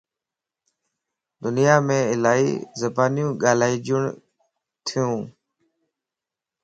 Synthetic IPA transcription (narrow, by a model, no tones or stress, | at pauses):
d̪ʊnɪjaːmẽːɪlaːḭːzəbaːnjũːɠaːl̤aːiːd͡ʒʊɳ | t̪ʰɪjũː